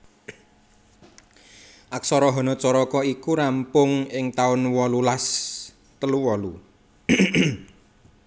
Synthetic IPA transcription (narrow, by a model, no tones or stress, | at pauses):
ʔaksɔɾɔɦɔnɔt͡ʃɔɾɔkɔikuɾampʊŋɪŋt̪aʊnwɔlulas | t̪əluwɔlu